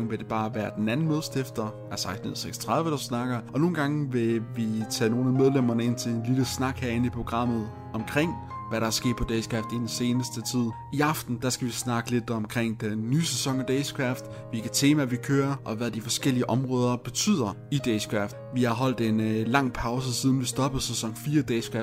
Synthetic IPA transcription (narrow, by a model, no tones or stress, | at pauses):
ŋʋe̝d̥e̝b̥ɑ̈ːʋæːɐd̥enænn̩moðˠsd̥efd̥ɐ | æsɑ̈ɪsn̩ð̩̰ˠseɡ̥sɒ̥t͡sʰʁɑ̈ð̞ˠʋəɾ̥usnɑ̈ɡ̥ɐʔɒ̽no̝ːn̩ɡ̥ɑ̈ŋʋe̝ʋit͡sʰɛ̰ːno̝ːnæmeðˠlem̰ɐnəe̝n̰t͡sʰe̝lenliləsnɑ̈ɡ̥hæɐe̝nipʰʁo̝ɡ̥ʁɑ̈m̰ð̞̩ˠ | ɒ̽mkʰʁeŋ̰ʋæɾɑ̈æɐsɡ̥e̝̰ːd̥̚pʰɒ̽d̥eskʰʁɑfd̥id̥n̩se̝ːnəsd̥ət͡sʰið̞̰ˠ | iɑ̈fd̥n̩d̥ɑ̈sɡ̥æʋisnɑ̈ɡ̥əle̝d̥ɒ̽mkʰʁeŋ̰d̥enːyːsesɒ̽ŋ̰ɒd̥eskʰʁafd̥ | ʋe̝lɡæt͡sʰe̝ːmæʋikʰøːɐʔɒ̽ʋæðˠd̥ifɒ̽sɡ̥el̰iəʔɒ̽mʁɔ̽ːð̞ˠɐb̥e̝t͡sʰy̰ːð̰ˠɐ | id̥eskʰʁafd̥ | ʋihɑ̈ɦɒ̽l̰d̥e̝nlɑ̈ŋ̰pʰɑ̈ʊs̬əsið̞ˠn̩ʋisd̥ɒ̽b̥ð̩ˠsesɒ̽ŋ̰fiːɐd̥eskʰʁæ